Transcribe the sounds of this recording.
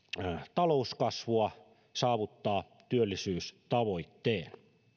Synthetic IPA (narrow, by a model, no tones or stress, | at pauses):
t̪ɑlouskɑsʋuɑ | sɑːʋut̪ːɑː | t̪yølːisyːst̪ɑʋoit̪ːeːn